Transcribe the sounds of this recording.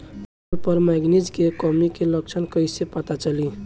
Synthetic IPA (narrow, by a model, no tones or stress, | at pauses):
lpəɾmaɡnid͡ʒkekɔmikelək̚t͡ʃʰənkəjsepət̪at͡ʃəli